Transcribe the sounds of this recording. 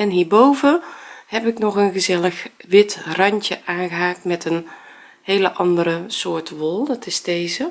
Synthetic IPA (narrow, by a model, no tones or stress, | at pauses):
ɛnɦiːɹbowvəhɛpɪknɔxənɣəzɛləxʋɪtrɑɲtjəʔaːnɣəɦaːk̚tmɛtən | heːləʔɑndəɾəsoːtʋolˠdɔtɪsdeːzə